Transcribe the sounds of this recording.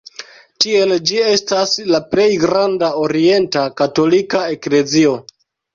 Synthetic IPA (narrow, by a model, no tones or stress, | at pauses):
tie̞ld͡ʒie̞staslaple̞jɡɾandao̞ɾie̞ntakato̞likae̞kle̞zio̞